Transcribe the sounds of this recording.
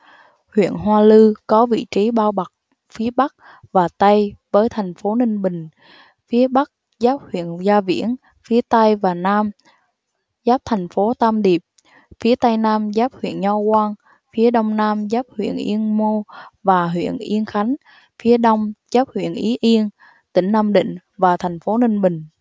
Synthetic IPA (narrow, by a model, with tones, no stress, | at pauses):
hwḭ˧˨ənɦwaː˧lɨ˧kɔ˨˦vḭ˧˨t͡ɕi˨˦ɓaː˧wɓa˨˩k̚ | fi˨˦əɓa˦˥k̚ | vaː˨˩t̪a˧jvəː˨˦jt̪ʰɛ˨˩jŋ̟fo˨˦nï˧ŋ̟ɓï˨˩ŋ̟ | fi˨˦əɓa˦˥k̚ | zaː˦˥p̚hwḭ˧˨ənzaː˧vḭ˧˥ən | fi˨˦ət̪a˧jvaː˨˩naː˧m | zaː˦˥p̚t̪ʰɛ˨˩jŋ̟fo˨˦t̪aː˧mɗi˨˩əp̚ | fi˨˦ət̪a˧jnaː˧mzaː˦˥p̚hwḭ˧˨ənɲɔ˧wkwaː˧n | fi˨˦əɗə˧wŋ͡mnaː˧mzaː˦˥p̚hwḭ˧˨ənʔi˧ənmo˧vaː˨˩ɦwḭ˧˨ənʔi˧ənxa˨˦jŋ̟ | fi˨˦əɗə˧wŋ͡mzaː˦˥p̚hwḭ˧˨ənʔi˨˦ʔi˧ən | t̪ï˧˩ŋ̟naː˧mɗḭ̈˧˨ŋ̟ | vaː˨˩t̪ʰɛ˨˩jŋ̟fo˨˦nï˧ŋ̟ɓï˨˩ŋ̟